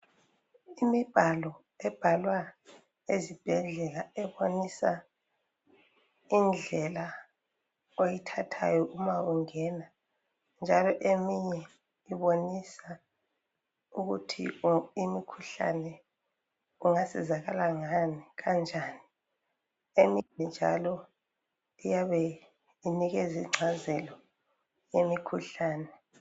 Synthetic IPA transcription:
imib̥ʱalɔ | ɛb̥ʱalwa | ezib̥ʱɛɮɛlaɛβonisa | ind͡ɮʱɛla | ojitʰatʰa̰jɔʔumauŋɛna | nd͡ʒʱalɔʔemiɲɛ | iβonisa | uɣutʰḭimikʰuɬa̰nɛ | uŋasizaɣalaŋaniɣand͡ʒʱaːni | eminɛnd͡ʒʱa̰lɔ | ijaβɛ | iniɣɛziŋ͡ǀʱazɛlɔ | jemikʰuɬaːnɛ

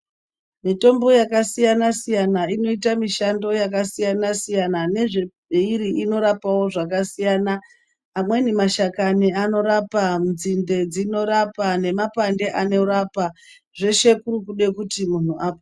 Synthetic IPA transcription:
mito̞mbo̞jakasijanasijanaino̞itamiʃando̞jakasijanasijanane̞ʐe | iɾiʔino̞ɾapawo̞ʐakasijaːnaː | mwe̞nimaʃakaniano̞ɾapam̩nzinde̞d͡zino̞ɾapane̞mapande̞ʔane̞ɾapa | ʐe̞ʃe̞kuɾukuɗe̞kutimun̤uʔaːpo

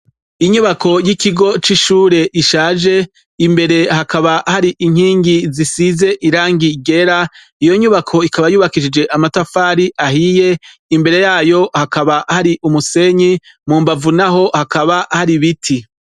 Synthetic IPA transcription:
iɲuβakʰo̞jikiɡo̞t͡ʃiʃuːɾe̞ʔiʃaːʒe̞ | imbe̞ɾe̞ɦakaβahaɾiʔiŋ̥hiːŋɡizisize̞ʔiɾaːŋɡiɡe̞ɾa | ijo̞ɲuβakʰo̞ikaβajuːβakid͡ʒid͡ʒe̞ʔamatafaːɾiʔahije̞ | imbe̞ɾe̞jaːjo̞hakaβahaɾiʔumuse̞ɲi | muːmbavunaɦo̞hakaβahaɾiβitʰi

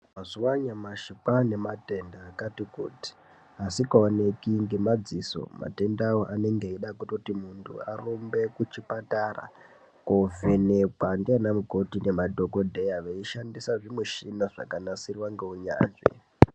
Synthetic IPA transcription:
mazuwaɲamaʃikane̞mate̞ndaːkatikṵːti̥ | asikaonekiŋɡemad͡ziso̞̰ma̰te̞ndawoʔane̞ŋɡeiɗakutotimuntʰṵarombe̞kut͡ʃipatara̰ | kove̞ne̞kwandianamuko̞tine̞madʱo̞ko̞dʱejaʋeiʃandisaʐimuʃinaʐa̰kanasirwaŋɡeuɲa̰ːnʐḛ

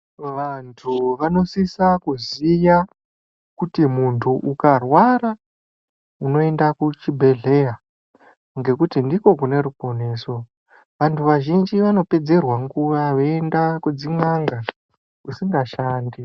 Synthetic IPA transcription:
ʋantʰuʋano̞sisakuzija | kutimuntʰuʔukarwaɾa | uno̞e̞ndakut͡ʃibʱe̞ɮe̞ja | ŋɡe̞kutindiko̞kune̞ɾupo̞ne̞ːso̞ | ʋantʰuʋaʒind͡ʒiʋano̞pe̞d͡ze̞rwaŋɡuʋaʋeendakud͡ziŋaŋɡa | kusiŋɡaʃaːndi

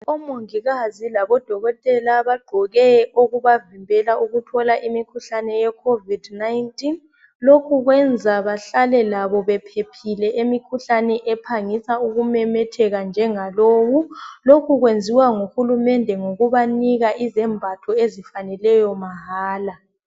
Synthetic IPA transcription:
ɔmoŋiɣazilaβɔd̥ʱɔɣɔtʼɛlaβaɡ͡ǃʱɔɣɛoɣuβavimbʱɛlauɣutʰɔlaʔimikʰuɬanɛjɛkʰovidnajntʼin | lokʰuɣwɛnd͡zʱaβaɬalɛlaβɔβɛpʰepʰilɛʔemikʰuɬanɛʔɛpʰaŋisauɣumɛmɛtʰɛɣand͡ʒʱɛŋaloːwulokʰuɣwend͡zʱiwaŋuxulumɛndʱɛŋoɣuβaniɣaʔizɛmbʱatʰɔezifanɛlɛjɔmaɦaːla

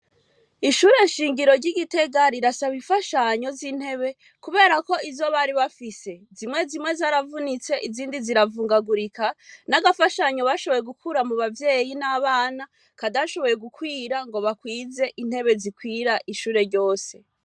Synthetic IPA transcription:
iʃuːɾe̞nʃiːŋɡiɾo̞ɾɟiɡite̞ɡaɾiɾasaβiɱfaʃaɲo̞ziːn̥he̞βe̞ | kuβe̞ːɾako̞izo̞βaɾiβafise̞zimŋe̞zimwe̞zaːɾavunit͡se̞ʔiziːndiziɾavuːŋɡaɡuɾikanaɡafaʃaɲo̞βaʃo̞βo̞je̞ɡukuɾamuβavje̞ːjinaβaːna | kadaʃo̞βo̞je̞ɡukwiːɾaŋɡo̞βakwiːze̞ʔin̥he̞βe̞zikwiːɾaʔiʃuːɾe̞ɾɟo̞ːse̞

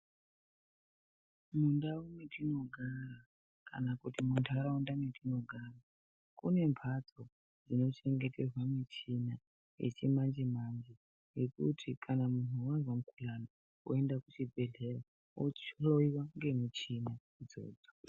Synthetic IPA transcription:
mundaumetino̞ɡʱara | kanakutimuntʰaraundametino̞ɡʱaːra | kune̞mpʰat͡so | d͡zino̞t͡ʃe̞ŋɡe̞te̞rwamit͡ʃina | jḛt͡ʃimand͡ʒimand͡ʒi | jekṵtʰikʰanamun̤uwazwamukulano | o̰e̞ndakut͡ʃibʱe̞ɮe̞ra | oloiwaŋɡe̞mut͡ʃina | d͡zo̞̰ːd͡zo̥

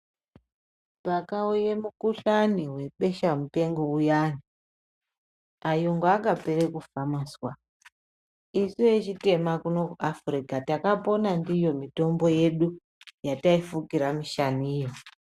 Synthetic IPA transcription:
pakaujemukuɬaniwe̞ɓe̞ʃamupe̞ŋɡoujani | ajoŋɡaakape̞ɾekufamaswa | isiet͡ʃite̞makuno̞kuʔafrikatakapo̞nandijo̞mito̞mbo̞je̞ɗu | jataifukiɾamiʃaniːjo

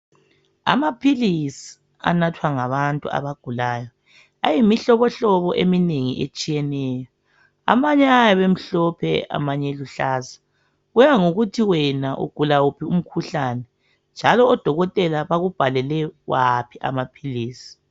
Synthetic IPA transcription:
a̰mapʰilisi̥ | a̰natʰwaŋaβantʼṵa̰βaɡ̥ʱulaːjɔ | a̰jimiɬɔβɔɬɔβɔʔemineŋḭʔḛt͡ʃʼijɛnɛːjɔ | a̰βaɲɛajaβem̩ɬɔpʰɛ̰a̰maɲɛluɬaːza | ɣujaŋoɣutʰiwɛnaʔṵɡ̥ʱulaupʰium̩kʰuɬanɛ | nd͡ʒʱalɔːd̥ʱɔɣɔtʼɛlaβaɣub̥ʱalɛlɛwapʰiʔa̰mapʰiliːsi̥

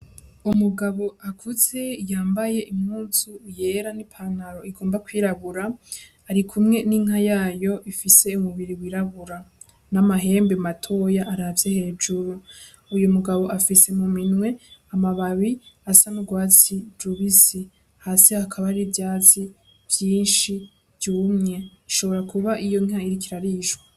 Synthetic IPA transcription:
umuɡaβo̞akʰuze̞jaːmbaje̞ʔimŋuːzuɾje̞ːɾanipʰanaɾo̞iɡo̞ːmbakwiɾaβuɾaː | ɾikʰumŋe̞niŋɦajaːjo̞ʔifise̞umuβiɾiwiːɾaβuɾa | namaɦe̞ːmbematʰo̞jaʔaɾavjehe̞ːd͡ʒuɾu | ujumuɡaβo̞ʔafise̞muminwe̞amaβaβiasamuɡwaːt͡sid͡ʒuβisi | hasihakʰaβaɾivjaːt͡si | vjiːnʃi | vjuːmŋe̞iʃo̞βo̞ɾakuβaʔijo̞ŋ̥haiɾikiɾaɾiʃwa

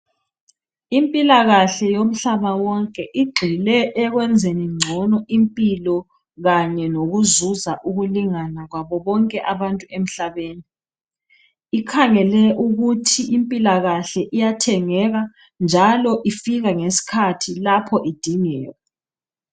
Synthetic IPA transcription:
impʼilaɣaɬɛjom̩ɬaβawɔŋkʼɛʔiɡ͡ǃʱilɛʔːɣwɛnd͡zʱeniŋ͡ǀʱɔnɔʔimpʼilɔ | ɣaɲɛnoɣuzuzaʔuɣuliŋanaɣwaβɔβɔŋkʼɛʔaβantʼuem̩ɬaβeːni | ikʰaŋɛlɛʔuɣutʰiimpʼilaɣaɬɛʔijatʰɛŋɛɣa | nd͡ʒʱalɔʔifiɣaŋesi̥kʰatʰilapʰɔʔid̥ʱiŋɛːjɔ

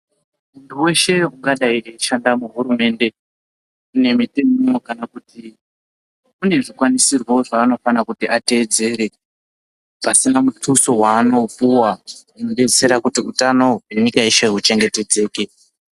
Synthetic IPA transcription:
munduwe̞ʃe̞uŋɡaɗaieʃandamuɦuɾume̞nde̞ | une̞mite̞mmokanakuti | une̞ʐikwanisirwo̞ʐaːno̞fanakutiʔate̞ːd͡ze̞ːɾe̞ | pasinamutʰuso̞waːno̞p͡fuwaunoɗeseɾakutiutano̞ɦweɲikaiʃeɦut͡ʃe̞ŋɡe̞te̞d͡ze̞ːke

